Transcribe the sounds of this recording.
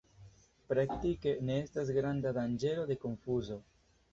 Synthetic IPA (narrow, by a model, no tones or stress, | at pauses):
pɾakt̪ike̞neestazɡɾand̪ad̪and͡ʒe̞lo̞de̞koɱfuzo